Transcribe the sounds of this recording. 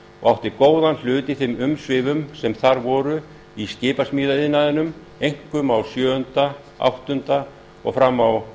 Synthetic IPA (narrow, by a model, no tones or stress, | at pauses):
ɔ̰ɣawht̪ɪkoːwðanl̥ʏːt̪ɪθɪmʏmsvɪːvʏmsɛmθaɾvɔːɾʏ | iscɪːpasmiːðaɪðnaðɪnʏm | ejŋ̥kʏmawsjœːʏnt̪a | a̰wht̪ʏnt̪a | ɔ̰ɣfɾamːaw